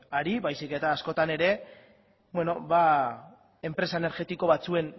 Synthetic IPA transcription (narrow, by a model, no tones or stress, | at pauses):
aɾiβajsike̞t̪aːsko̞t̪ane̞ɾe̞ | bwe̞no̞βa | e̞mpɾe̞saene̞ɾɣe̞t̪iko̞βat͡sue̞n